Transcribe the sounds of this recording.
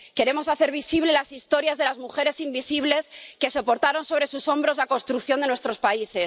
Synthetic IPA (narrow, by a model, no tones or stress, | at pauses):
ke̞ɾe̞mo̞saθe̞ɾβisiβ̞le̞lasist̪o̞ɾjazðe̞lazmuxe̞ɾe̞simbisiβle̞ske̞so̞po̞ɾt̪aɾo̞nso̞βɾe̞suso̞mbɾo̞zlako̞nst̪ɾukθjo̞nd̪e̞nwe̞st̪ɾo̞spaise̞s